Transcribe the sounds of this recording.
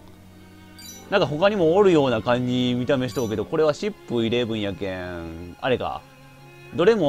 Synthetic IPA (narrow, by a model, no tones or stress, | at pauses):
nãŋkaɦo̞kaɲ̟imo̞ːɾɯ̟jo̞ːnakãɲ̟d͡ʑimʲit̪ame̞ɕi̥t̪o̞ːke̞d̪o̞ko̞ɾe̞β̞aɕipːɯ̟iɾe̞ːbɯ̟̃ɰ̃jakẽa̰ɾe̞ka̰ | d̪o̞ɾe̞mo